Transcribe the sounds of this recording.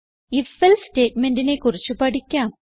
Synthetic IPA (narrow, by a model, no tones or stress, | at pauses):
ifːɐlste̞ːʈmendine̞kurit͡ɕːupɐɽikʲːaːm